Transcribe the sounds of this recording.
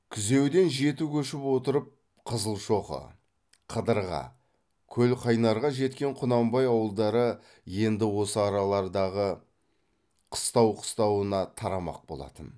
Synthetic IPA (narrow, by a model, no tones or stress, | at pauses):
kʲʰʏze̞wd̪e̞nʒe̞t̪ukʲʰɵʃɪpwo̞t̪əɾəp̚ | qʰəzəlˠʃo̞qə̰ | qʰəd̪əɾʁɑ̰ | kʲʰɵlqʰɑjnɑɾʁɑʒe̞t̪kʲe̞ɴqʰʊnɑmbɑjɑwəlˠd̪ɑɾə | je̞nd̪ɪwo̞səɑɾɑlˠɑɾd̪ɑʁə | qʰə̥st̪ɑwqʰə̥st̪ɑwənɑt̪ʰɑɾɑmɑ̰q̚bo̞̰lˠɑ̰t̪ən